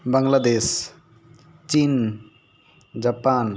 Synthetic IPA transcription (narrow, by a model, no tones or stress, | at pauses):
baŋlad̪es | t͡ʃin | d͡ʒapan